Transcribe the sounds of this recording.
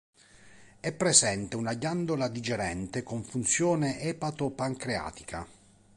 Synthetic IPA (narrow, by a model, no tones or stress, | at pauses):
ɛpːɾezɛnt̪eunaɟand̪olad̪id͡ʒeɾɛnt̪ekoɱfunt̪sjɔːneʔɛːpat̪opaŋkɾea̰ːt̪i̥kʰa̰